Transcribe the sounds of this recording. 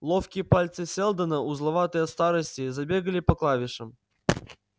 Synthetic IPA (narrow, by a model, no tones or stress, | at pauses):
lˠofkʲɪjəpalʲt̪sɨsʲelˠd̪ənəuzlˠɐvat̪əjəst̪aɾəsʲtʲɪzabʲeɡəlʲɪpɐklˠavʲɪʂəm